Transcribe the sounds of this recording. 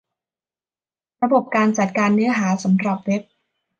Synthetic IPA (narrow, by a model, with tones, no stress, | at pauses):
ɾa˧bo˨˩p̚kaː˧nt͡ɕa˨˩t̪̚kaː˧nːɯ˦˥ɐɦaː˩˦sa˩˦mɾa˨˩p̚we˦˥p̚